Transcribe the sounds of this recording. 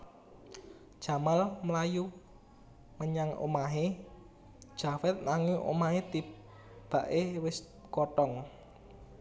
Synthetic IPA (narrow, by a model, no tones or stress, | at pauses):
ʒ̥a̤malməlaju | məɲaŋo̰maɦe̥ | ʒ̥a̤fɛt̪̚naŋɪŋʔo̰maɦet̪ip̚ | b̥a̤ʔewɪs | kɔʈɔŋ